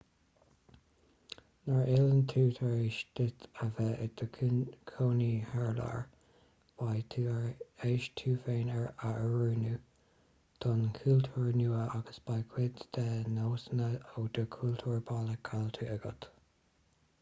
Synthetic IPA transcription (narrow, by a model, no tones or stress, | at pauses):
nəɹɪlənt̪ʰuːt̪ʰəɹeːʃd̪̥ɪt̪ʰəvɛʔɪd̪əkʰoːnihɛɹla̰ɹ | b̥ajtʰːɹeːʃt̪ʰuːfeːnəɹaʔəɹuːnu | t̪ʰɔnkʰuːlt̪ʰuːɹnuːəʔaɡəsb̥ajkʰwɪd̪d̪̥ɛnoːsənəoːd̪̥əkʰuːlt̪ʰuːɹbaːləkʰalt̪ʰuɛɡə̰t̪